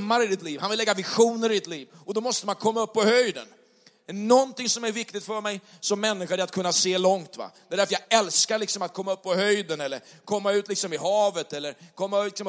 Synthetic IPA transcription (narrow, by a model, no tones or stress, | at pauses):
mːaɾɪd̪ɪt̪liːvhanvɪlːɛɡːavɪɧuːnəɾɪd̪ɪt̪liːvɔd̪ɔmɔst̪əmankʰɔmːaɵpːɔhœjd̪ə̰n | nɔnt̪ɪŋsɔmæɾvɪkt̪ɪɡt̪fœɾmɛjsɔmːɛnːɪɧaɾɪɾat̪̚kʰɵnːaseːlɔŋt̪va̰d̪ɛd̪æɾfəjaɡɛlskaɾɭɪksɔmat̪̚kʰɔmːaɵpːɔhœjd̪ənɛlːəɾkʰɔmːaʉ̟ːt̪lɪksɔmɪɦɑːvət̪ɛlːəɾkʰɔmːaɪksɔm